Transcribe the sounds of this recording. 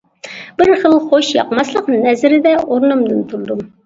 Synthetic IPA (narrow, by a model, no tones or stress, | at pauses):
b̥ɪɾχəlˠχoʃjɑ̰qmɑslˠəqnɛzɾɪd̪ɛʔoɾnumd̪ɨnt̪ʰuɾd̪um